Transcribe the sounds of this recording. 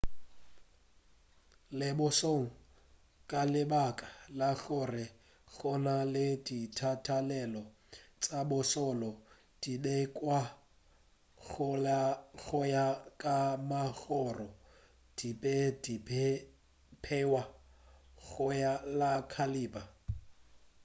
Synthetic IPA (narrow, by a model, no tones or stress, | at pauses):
lɪbʊsoŋ̩ | kʼalɪbakʼḁlaɣʊrɪ | ɣɔnalɪditʰatʰalɛlɔ | t͡sʼabʊsɔlɔ | d̥idɛkʼwa | ɣʊaɣʊjakʼamaɣɔrɔ | d̥ipʼɛdipʰɛ | pʰɛwa | ɣʊjalakʰaliːba